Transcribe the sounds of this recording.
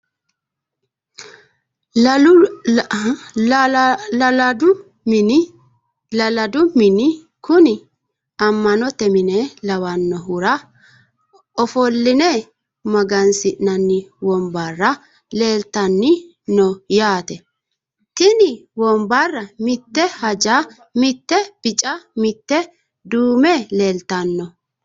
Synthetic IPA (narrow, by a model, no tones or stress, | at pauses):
lɐld̪ʊ | lɐlɐd̪ʊmɪnɪ | kʊnɪ | ɐmːɐnɔt̪ɛmɪnɛlɐwɐnːɔɦʊɾɐ | ɔfɔlːɪnɛ | mɐɡɐnsɪʔnɐnːɪwɔmbarːɐ | le̞ːlt̪ɐnːɪ | nɔjaːt̪ɛ | t̪ɪnɪwɔmbarːɐmɪt̪ːɛhɐd͡ʒaː | mɪt̪ːɛb̥ɪt͡ʃʼɐmɪt̪ːɛ | d̪uːmɛːleːlt̪ːɐnːɔ